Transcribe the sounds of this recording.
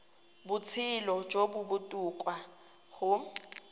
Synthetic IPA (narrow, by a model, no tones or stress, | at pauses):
bʊt͡sʰɪlɔd͡ʒobʊbʊtʼukʼwa | ɣʊ